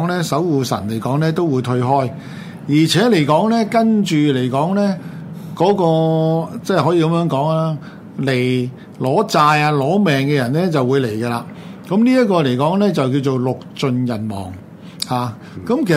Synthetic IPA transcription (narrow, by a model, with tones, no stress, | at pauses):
ŋlɛː˥sɐ˨˥wwuː˨sɐ̰˨˩nle˨˩jkɔː˨˥ŋlɛː˥t̪o˥wuː˨˧jt̪ʰɵ˧ɦɔː˥j | jiː˨˩t͡sʰɛː˨˥le˨˩jkɔː˨˥ŋlɛː˥kɐ˥nt͡ʃyː˨le˨˩jkɔː˨˥ŋlɛː˥ | kɔː˨˥kɔː˧t͡sɛː˥˧hɔː˨˥jiː˧kɐ˨˦mjœː˨˥ŋkɔː˨˥ŋa˥ | le˨˩j | lɔː˨˥t͡saː˧jaː˧lɔː˨˥mɛː˨ŋkɛː˧jɐ˨˩nlɛː˥t͡sɐ˨wuː˨˧jle˨˩jkɛː˧laː˧ | kɐ˨˥mniː˥jɐ˥t̚kɔː˧le˨˩jkɔː˨˥ŋlɛː˥t͡sɐ˨wki˧wt͡so˨wlʊ˨k̚t͡ʃɵ˧njɐ˨˩nmɔ̰ː˨˩ŋ | haː˨˧ | kɐ˨˦˥mkʰe˨˩